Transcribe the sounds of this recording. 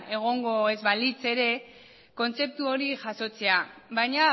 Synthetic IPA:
e̞ɣ̞o̞ŋɡo̞ezβalit͡se̞ɾe̞ | ko̞nt͡se̞p̚t̪uo̞ɾiʝaso̞t͡se̞aβajɲa

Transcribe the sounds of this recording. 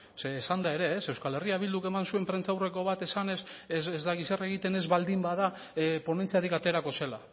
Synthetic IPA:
seːsand̪ae̞ɾe̞ːse̞wskale̞riaβild̪uke̞mansue̞mpɾe̞nt͡sawre̞ko̞β̞at̪e̞sane̞szezd̪aɣisaraeɣit̪e̞ne̞zβald̪imbaða | pone̞nt͡siaðikat̪e̞ɾako̞se̞la

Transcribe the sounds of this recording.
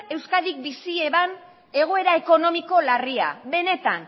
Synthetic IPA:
e̞wskaðik̚bisie̞βan | e̞ɣ̞oe̞ɾae̞ko̞no̞miko̞laria̰βe̞ne̞t̪an

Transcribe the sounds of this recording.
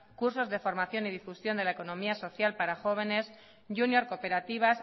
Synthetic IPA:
kuɾso̞zðe̞fo̞ɾmaθjo̞niðifusjo̞nd̪elaeko̞nõ̞miaso̞θjalpaɾaxo̞β̞e̞ne̞s | ʝunjo̞ɾko̞pe̞ɾat̪iβ̞as

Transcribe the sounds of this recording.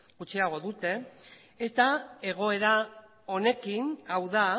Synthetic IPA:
ɡut͡ʃiaɣ̞o̞ðut̪e̞ː | t̪ae̞ɣ̞o̞e̞ɾa | o̞ne̞kinawða

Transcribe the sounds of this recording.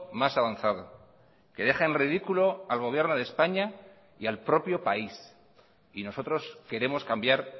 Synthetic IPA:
masaβ̞anθað̞o̞ | keðe̞χenrið̞ikulo̞alɣ̞o̞β̞je̞ɾnoð̞espaɲa | ialpɾo̞pjo̞pais | ino̞so̞t̪ɾo̞ske̞ɾe̞mo̞skambjaɾ

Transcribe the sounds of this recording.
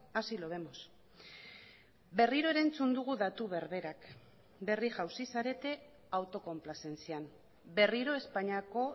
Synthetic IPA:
asilo̞βe̞mo̞s | be̞riɾo̞e̞ɾant͡sund̪uɣ̞uðat̪uβe̞ɾβe̞ɾak | be̞riʝawsisaɾe̞t̪e̞ | awt̪o̞ko̞mplase̞nt͡siam | be̞riɾo̞e̞spaɲako̞

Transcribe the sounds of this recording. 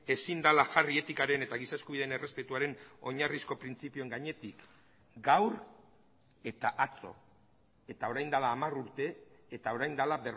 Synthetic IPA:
e̞sind̪alaʝarie̞t̪ikaɾe̞ne̞t̪aɣ̞isaskuβiðene̞re̞spe̞t̪uaɾe̞no̞̰ɲarisko̞pɾint͡sipioe̞ŋɡaɲe̞t̪ik | ɡawɾ | e̞t̪aʔat͡so̞̰ | e̞t̪ao̞ɾajnd̪alaːmaruɾt̪e̞ːt̪ao̞ɾajnd̪alabe̞r

